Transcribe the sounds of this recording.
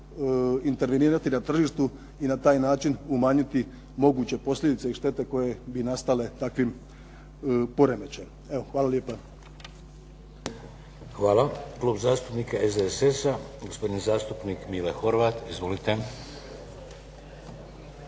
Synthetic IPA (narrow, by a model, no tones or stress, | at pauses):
int̪e̞ɾʋeniːɾat̪inat̪r̩ʒiːʃt̪u | inat̪aːjnaːt͡ʃinumaːɲit̪i | mo̞ɡuːt͡ɕe̞po̞sʎʲe̞d̪it̪se̞iʃt̪e̞t̪e̞ko̞jebinast̪ale̞t̪akʋim | po̞ɾe̞met͡ɕem | eʋoxʋaːlˠaljeːpa | xʋaːlaklˠuːbzaːst̪upnikaezd̪eesesaɡospo̞d̪inizaːst̪upnikmilexo̞ɾʋaːt̪izʋo̞lit̪e